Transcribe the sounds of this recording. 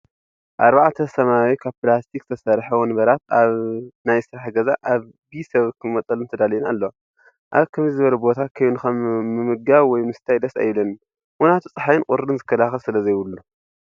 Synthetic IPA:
ʔaɾbaʕt̪ʰɐsɐmawikʰaβpɨlast̪ʰik̚t̪ʰɐsɐɾħɐwɔnbɐɾat̪aβnajsɨɾaħɡɐzaʔaβ | bisɐβkʰɨmmɐt̪ʼɐlɨnt̪ʰɐd̪alinalːo | ʔaβkʰɐmzɨβɐlubo̞t̪ʰakʰɐjunɨxɐmːɨmɨɡaβwɔjmɨst̪ʰajd̪ɐsa̰jlɐn | wɔnat̪ʰut͡sʼɨħajɨnkʼʊɾɨnzɨkʰːɐlaxɐlsɨlɐzɐjwʊlːu

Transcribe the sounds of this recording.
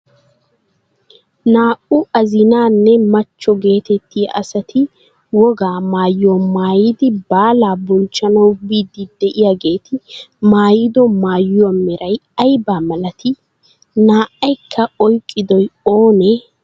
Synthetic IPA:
naːʔʊʔɐzɪnaːnːɛmɐt͡ʃːɔɡe̞ːt̪ɛt̪ːɪj̰ʔɐsɐt̪ʰɪ | wɔɡaːmaːjːoːmaːjɪd̪ɪbaːlaːbɔnt͡ʃːɐnɐwbiːd̪ɪd̪ɛʔɪjaːɡe̞ːt̪ʰɪmaːjɪd̪ɔmaːjwɔmɛɾɐjɐjbaːmɐlɐt̪ʰɪ | naːʔɐjkʰːɐɔjkʼːɪd̪ɔjoːnɛ

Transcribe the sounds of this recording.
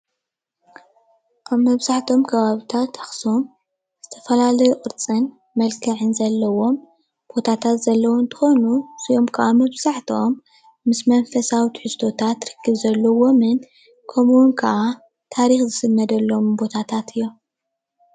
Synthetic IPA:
ʔaβmːɐβzaħt̪ʰo̞mkʰɐβaβit̪ʰat̪ːaxso̞m | z̥ɨt̪ʰɐ̥fɐlalɐjokʼɨɾt͡sʼɨn | mɐlkʰɐʕɨnzɐlːɐwo̞m | b̥o̞t̪ʰat̪ʰat̪zɐlːɐwont̪ʰɨ̥xo̞nusiʔomkʰɐʔamɐβz̥aħt̪ʰo̞mː | ɨsmɐnfɐsawit̪ħust̪ʰo̞t̪ʰat̪ɾɨkʰːɨβzɐlːɐwo̞mɨn | kʰɐmuwnkʰɐʔa | t̪ʰaɾixzɨsɨmːɐd̪ɐlːo̞mbo̞t̪ʰat̪ʰat̪ʰɨjːom

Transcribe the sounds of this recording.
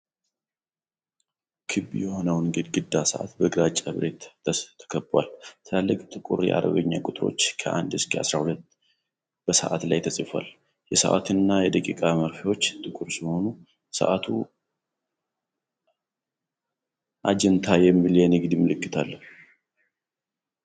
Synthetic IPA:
kʰɨbːijɛho̞nəwnɡɨd̪ɡɨd̪ːasəʔa̰t̪bəɡɾat͡ʃʼːaβɾet̪t̪ʰːə̥kʰəbwa̰lt̪ʰlalːəkʼt̪ʼɨkʼuɾjɛ̰ʔa̰ɾə̰βəɲːakʼʊt̪ʼɨɾo̞̰t͡ʃːkʰəʔa̰nd̪ɨskʰʼəasɾahulət̪ː | b̥əsə̰ʔa̰t̪lajt̪ʰəsʼifa̰l | jɛsə̰ʔa̰t̪ʰɨnːajɛd̪əkʼikʼaməɾfiwo̞t͡ʃːt̪ʼɨkʼuɾsiho̞nu | sə̰ʔat̪ʰu | ʔad͡ʒɛnt̪ʰajɛmːiljɛneɡɨd̪imɨlɨkːɨt̪ʰalːə

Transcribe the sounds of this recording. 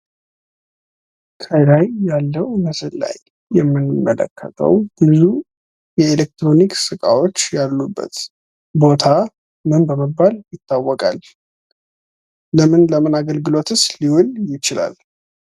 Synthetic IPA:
kʰəjlajːalːəwməsɨla̰jː | ɛmːɨnɨmːələ̰kʰːə̰t̪ʰə̰wb̥ɨzu | jɛelek̚t̪ɾo̞niksɨkʼa̰wo̞t͡ʃːjalːubːə̰t̪ | bo̞t̪ʰa | mɨnbəməbːaljɪt̪ʰːawːɔkʼal | ləmɨnləmɨnaɡəlɡɨlo̞t̪ʰɨsliwʊljɪt͡ʃɪla̰l

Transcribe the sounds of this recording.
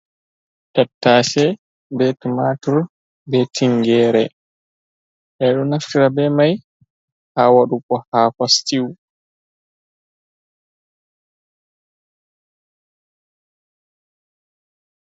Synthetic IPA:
tatːaːsɛ | bɛtumatuɾ | bɛtʰiŋɡɛːɾɛ̰ | ʔɛɗɔnaftiɾabɛmaj | haːwaɗukɔhaːkastiw

